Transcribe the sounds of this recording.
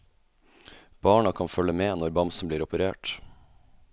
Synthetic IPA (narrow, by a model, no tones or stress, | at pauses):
b̥ɑːɳɑkʰɑnfœləmeːnɔɾbɑmsn̩bliːɾɔpəɾeːʈ